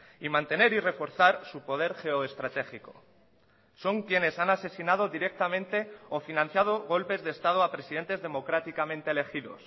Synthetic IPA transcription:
imãnt̪e̞ne̞ɾire̞fo̞ɾθaɾsupo̞ð̞e̞ɾχe̞oest̪ɾat̪e̞xiko̞̥̰ | so̞ŋkje̞ne̞sanase̞sinað̞o̞ðiɾe̞k̚t̪amẽ̞nt̪e̞ofinãn̟θjað̞o̞ɣ̞o̞lpe̞zðeːst̪að̞oapɾe̞siðe̞nt̪e̞zðe̞mo̞kɾat̪ikamẽnt̪eːle̞xiðo̞̰s

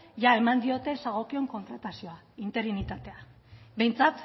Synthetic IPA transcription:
ʝae̞mand̪io̞t̪e̞saɣ̞o̞kio̞ŋko̞nt̪ɾat̪asio̞a | int̪e̞ɾinit̪at̪e̞a | be̞jnt͡sat̪

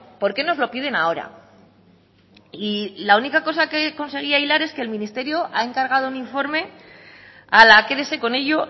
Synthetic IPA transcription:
po̞ɾke̞no̞zlo̞pið̞e̞nao̞ɾa̰ | ilaunikako̞sake̞ko̞nse̞ɣ̞iaejlaɾe̞ske̞ːlmĩnist̪e̞ɾjo̞ʔa̰e̞ŋkaɾɣ̞að̞o̞uniɱfo̞ɾme̞ | alake̞ðese̞ko̞ne̞ʎo̞

